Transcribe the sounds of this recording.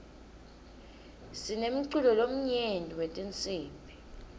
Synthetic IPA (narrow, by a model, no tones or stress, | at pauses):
sinem̩ǀulɔlom̩ɲendʱʼiwetʼint͡sʼiːmpʰʼi̥